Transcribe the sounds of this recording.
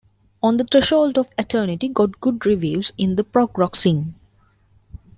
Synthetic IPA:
ɔ̃nd̪ət̪ʰɾɛʃɔːlʈɔʋɪʈʰəːnɪʈiɡɔʈ̚ɡ̥ʊɖɾiʋjuːzɪ̃nd̪əpɾɔɡɾɔksɪ̃ŋ

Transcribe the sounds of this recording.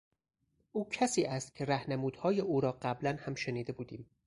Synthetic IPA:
ʔuːcʰæsiːʔæst̪̚cʰe̞ɾæhnemuːd̪̥hɒːjeʔuːɾɒːɢæblænhæmʃeniːd̪e̞buːd̪iːm

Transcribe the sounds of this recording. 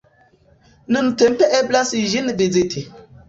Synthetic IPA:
nɨmtempeʔeblasiʒinəved͡zetʰi

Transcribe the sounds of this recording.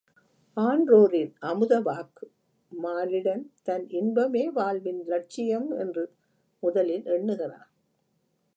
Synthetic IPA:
aːɳdroːɾɪnʔɐmɯðɐʋaːkɯ | maːlɪɽɐnt̪ɐnʔɪnbɐmeːʋaːlʋɪnlɐʈ̚t͡ʃɪjɐmɛ̰ndrɯ | mʊðɐlɪnʔɛɳːɯɣɐra̰ːn

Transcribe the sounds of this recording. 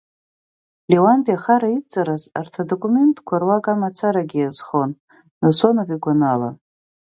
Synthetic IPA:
lewanbʼiaχaɾait͡sʼaɾazartʰadokʷʼume̞ntʼkʷʰarwakʼamat͡sʰaɾaɡʲijazχo̞n | nasonoviɡʷanala̰

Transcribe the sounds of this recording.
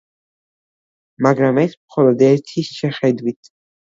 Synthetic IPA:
maɡɾamɛsmχɔlˠɔd̪ɛɾt̪ʰisʃɛχɛd̪wit̪ʰ

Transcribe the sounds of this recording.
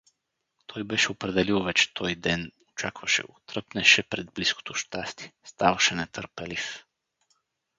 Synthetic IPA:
t̪ʰojbɛʃɛɔpɾɛd̪ɛliɔvɛt͡ʃt̪ʰojd̪ɛnɔt͡ʃakvaʃɛ̰ut̪r̩pnɛʃɛpɾɛd̪̚blisko̥t̪uʃt̪ast̪iɛ̥st̪aʋaʃɛnɛt̪əɾpɛlif

